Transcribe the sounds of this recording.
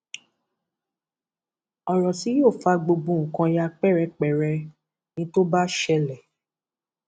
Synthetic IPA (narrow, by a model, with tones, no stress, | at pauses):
ɔ˨ɾɔ˨si˨˦jo˦˨fa˧˦ɡ͡bo˧ɡ͡bũ˧˨ŋ̩˨kã˧ja˧k͡pɛ˦˨ɾɛ˧k͡pɛ˨ɾɛ˧ | nĩ˧to˦ba˦ʃɛ˧lɛ˨